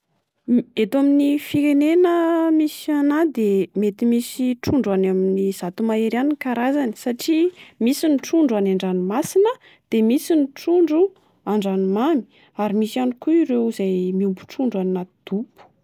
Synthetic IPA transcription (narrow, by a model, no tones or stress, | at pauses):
et̪aminifiɾenenəmisanad̪emet̪imisiʈ͡ʂuɳɖ͡ʐanaminiz̥at̪umaeɾanikaɾazanisaʈ͡ʂimisiniʈ͡ʂuɳɖ͡ʐuanaɳɖ͡ʐanimasinə | d̪̥emisiniʈ͡ʂuɳɖ͡ʐu | aɳɖ͡ʐanimami̥ | aɾimisanikuiɾewizajmiumbuʈ͡ʂuɳɖ͡ʐannat̪id̪̥upu̥